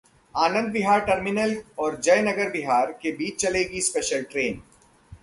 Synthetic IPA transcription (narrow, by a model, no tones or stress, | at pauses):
aːnə̃nd̪̚bɪɦaːɾʈɐɾmɪnəlɔːɾd͡ʒɐjnɐɡəɾbɪɦaːɾkebiːt͡ʃt͡ʃɐleːɡispɛːʃəlʈɾeːn